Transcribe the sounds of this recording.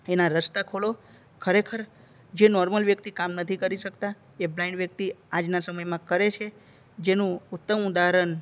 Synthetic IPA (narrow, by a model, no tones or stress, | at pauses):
enaɾəst̪akʰolo | kʰəɾekʰəɾ | d͡ʒenɔɾməlʋjək̚t̪ikamnət̪ʰikəɾiʃəkt̪a | eblaɪɳɖʋjək̚t̪iad͡ʒnasəməjmãkəɾet͡ʃʰe | d͡ʒenũʊt̪ːəmud̪aɾən